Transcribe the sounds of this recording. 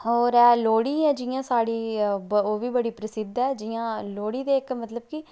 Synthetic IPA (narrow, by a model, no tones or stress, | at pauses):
ɔːɾɛːloːɽiːɛːd͡ʒiːãːsaːɽiːoːʋiːbəɽiːpɾəsɪd̪ɛːd͡ʒiːãːloːɽiːd̪eːɪkmət̪ləb̚kɪ